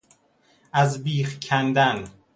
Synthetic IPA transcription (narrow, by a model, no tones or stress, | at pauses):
ʔæzbiːxkʰænd̪æn